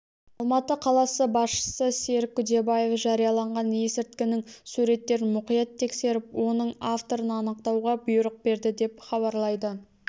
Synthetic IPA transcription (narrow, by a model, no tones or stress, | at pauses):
ɑlˠmɑt̪əqʰɑlˠɑsəbɑsʃə̥səse̞ɾkʲʰːʏd̪e̞baje̞fʒɑɾijɑlˠɑɴʁɑnje̞sɪɾt̪̚kʲɪnɪŋsuɾe̞t̪ːe̞ɾɪnmʊqijɑt̪ʰːe̞kse̞ɾɪp̚wo̞nəɴaft̪o̞ɾənɑnəq̚t̪ɑwʁɑbʊjʊɾəq̚be̞ɾd̪ɪd̪e̞pχɑβɑɾlˠɑjd̪ə